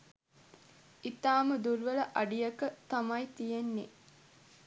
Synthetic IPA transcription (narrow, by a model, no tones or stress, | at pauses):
it̪aːməd̪uɾʋɐləʔɐɖijɐkət̪ɐmɐjt̪ijenːe